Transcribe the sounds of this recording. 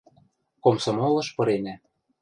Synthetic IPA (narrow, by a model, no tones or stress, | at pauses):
komsomolɤ̆ʃpɤ̆ɾenæ